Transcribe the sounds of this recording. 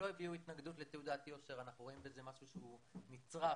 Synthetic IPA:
o̞eviuit̪naɡd̪ut̪le̞t̪eud̪at̪io̞ʃeʁanaχnuʁo̞imbe̞ze̞maʃuʃeunit͡sʁa

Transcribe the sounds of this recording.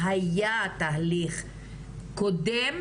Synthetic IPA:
ɦajat̪aɦliχ | kod̪em

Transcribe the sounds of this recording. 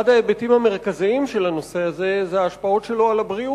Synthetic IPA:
adaebetimame̞ʁ̞kaziimʃe̞lano̞se̞aze̞zeaːʃpao̞tʃe̞lo̞alabʁiu

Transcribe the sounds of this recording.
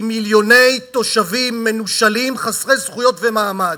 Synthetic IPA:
miljo̞nejt̪o̞ʃavimːe̞nuʃalimχasʁe̞jsχujo̞tvemaːmad

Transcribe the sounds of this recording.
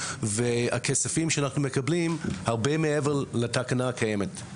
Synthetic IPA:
vehakesafimʃeanaχnumekablimhaʁbemeeveʁlat̪akanaakʰajemet

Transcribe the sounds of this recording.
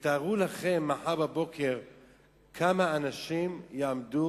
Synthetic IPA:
t̪aːʁulaχe̞mːaħababo̞kʰe̞ʁ | kʰamaanaʃimjaamdu

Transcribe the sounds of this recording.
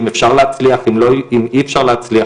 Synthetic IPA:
mefʃaʁlehat͡sliaχimloimiefʃaʁleɦat͡slia

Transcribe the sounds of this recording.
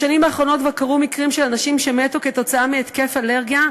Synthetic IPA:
animaːχʁo̞no̞tvakaʁumikʁimʃelanaʃimʃemet̪uke̞t̪o̞t͡saameːt̪ke̞fale̞ʁɡija

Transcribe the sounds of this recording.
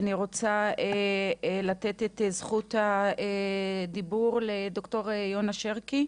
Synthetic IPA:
niʁo̞t͡saelatetetezχutaed̪ibuʁledoktoʁejonaʃeʁki

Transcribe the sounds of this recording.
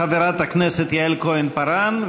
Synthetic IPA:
aveɾat̪hakneset̪jaelkoenpaɾan

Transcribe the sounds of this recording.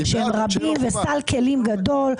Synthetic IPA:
ʃehemʁabimvest̪alkʰelimɡad̪o̞l

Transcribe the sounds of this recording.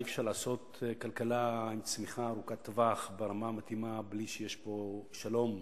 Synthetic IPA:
efʃaʁlaːso̞t̪kalkalamt͡smiχaːʁukat̪vaχbeʁamamat̪imabliʃejeʃbo̞ʃalo̞m

